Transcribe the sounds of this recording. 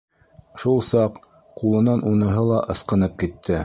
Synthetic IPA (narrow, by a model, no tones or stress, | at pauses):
ʃulˠsɑq | qulˠɤ̆nɑnʔunɤ̆ɦɤlˠɑʔɤ̆sqɤ̆nɤp̚kit̪ʰːɘ